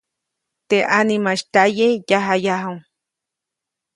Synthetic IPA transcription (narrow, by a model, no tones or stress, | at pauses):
t̪eʔanimaʃt̪ajejaɦajaɦawŋ